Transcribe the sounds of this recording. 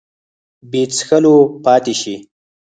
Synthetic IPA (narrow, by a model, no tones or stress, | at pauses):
bet͡sxəlopɑːt̪eʃi